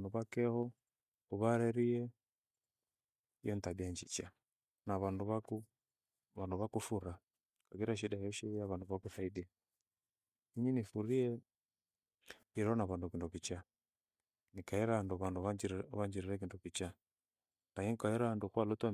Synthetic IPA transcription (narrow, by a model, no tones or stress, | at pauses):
nuβakɛhɔ | uβaɾɛɾiɛ | ijɔntaɓiaɲd͡ʒit͡ʃa | naβanduβaku | βanduβakufuɾa | kaɡiɾaʃ̬iɗajɔʃɛijaβanduβakuθaiɗi | iɲinifuɾiɛ | iɾɔnaβandukindɔkit͡ʃa | nikaɛɾanduβanduβaβaɲd͡ʒiɾiɾɛk̬indɔkit͡ʃa | naɲiŋkaɛɾandukwalɔta